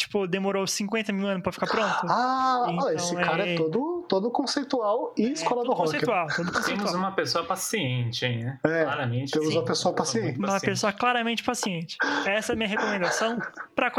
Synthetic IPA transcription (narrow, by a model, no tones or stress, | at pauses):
t͡ʃi̥pʊd̪emoɾowsĩŋkwẽnt̪ɐmiwɐ̃nʊspɾɐfi̥kaɾpɾõnt̪ʊaẽeɐsɪ̃kaɾɐɛɛt̪od̪ʊt̪od̪ʊkõsejt̪uawɪɪskkɔlɐd̪ʊhɔ̃sej̪uawt̪od̪ʊkõsej̪̃mʊuzaũmɐpesoɐpasiẽt͡ʃɪẽnɛɛlaɾɐmẽt͡ʃeuzɐpesoɐpasiẽnt͡ʃmɐpesoɐklaɾɐmẽnt͡ʃɪ̥pasiẽnt͡ʃɪ̥ɛsɐɛɐmĩɲɐɦekomẽnd̪asɐ̃w̃pɾɐk